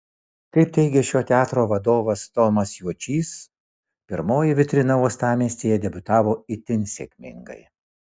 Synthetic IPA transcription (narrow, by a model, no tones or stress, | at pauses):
kɐɪp̚t̪ʲɛɪɡʲɛʃʲoːt̪ʲæːt̪ɾoːʋɐd̪oːʋɐst̪ɔmɐsjuɔt͡ʃʲiːs | pʲɪɾmoːjɪʋʲɪt̪ʲɾʲɪnɐuɔst̪ɑːmʲeːsʲt̪ʲejɛd̪ʲɛbʲʊt̪ɑːʋoːɪt̪ʲɪnʲsʲḛkʲmʲɪ̰ŋɡɐ̰ɪ